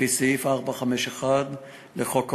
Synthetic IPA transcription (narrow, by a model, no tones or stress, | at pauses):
isiifaʁbaχameʃeχad̪ | leχok